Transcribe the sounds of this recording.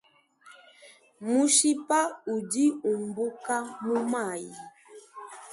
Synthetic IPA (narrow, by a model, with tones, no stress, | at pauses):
mu˦ʃi˦pa˦u˨di˦u˨m˨bu˦ka˦mu˦ma˦˨ji˨